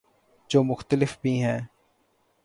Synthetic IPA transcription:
d͡ʒoːmʊxt̪əlɪfbʱiːɦɛ̃ː

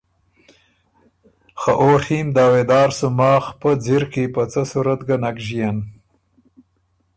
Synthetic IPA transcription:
xaʔoːɾhimd̪ɑːwed̪ɑːɾsumɑːxpəd͡ziɾkipat͡sasuɾat̪ɡanakʒijan

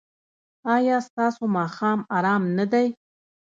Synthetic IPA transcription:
ɑjɑst̪ɑsomɑxɑmɑɾɑmnad̪aj

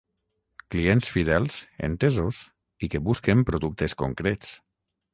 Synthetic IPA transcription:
kliensfiðɛlˠzḛnt̪ezos | ikeβuskempɾoðuk̚t̪esko̰ŋkɾet͡s

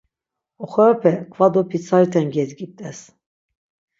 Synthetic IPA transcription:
ɔχɔɾapʰɛkʰvad̪ɔpʰit͡s̪ʰaɾit̪ʰɛnɡɛzɡit̪ʼɛs

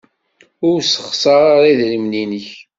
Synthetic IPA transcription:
ʊɾsə̥χsˤɑɾˤaɾˤiðɾimninəç

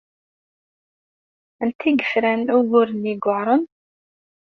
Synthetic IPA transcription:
ənt̪iɡəfɾænʊɣʊɾəniɡəɾˤən

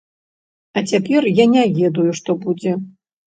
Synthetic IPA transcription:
ɐt͡sʲapʲɛrjanʲavʲɛd̪ujuʂt̪ɔbud͡zʲɛ

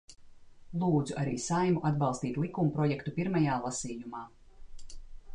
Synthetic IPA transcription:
lˠuːd̪zuʔaɾiːsajmuʔad̪bɑlˠst̪iːt̪lˠikumupɾɔjɛkt̪upiɾmajaːlˠasiːjumaː

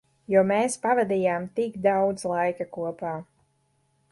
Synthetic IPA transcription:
jumeːspavad̪ijaːmt̪iɡd̪awd̪zlˠajkakuɔpaː

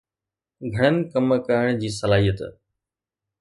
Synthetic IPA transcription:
ɡʱɐɽ̃ənɪ̆kɐmkəɪɽ̃d͡ʑiːs̬ɐlaːɦijət̪

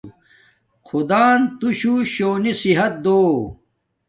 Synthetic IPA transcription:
kʰud̪aːnt̪uɕuɕoːnisiɦɐt̪̚d̪oː

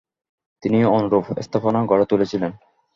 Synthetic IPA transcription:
t̪inionoɾofḛst̪ʰafonaɡɔɽat̪olet͡ɕʰilen

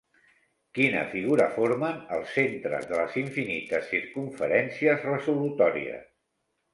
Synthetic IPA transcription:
kinə̰fiɣ̞uɾəfoɾmənəlˠsːent̪ɾə̰zðələziɱfinit̪əsːiɾkuɱfəɾɛnsiəzrəzulut̪ɔɾḭə̰s

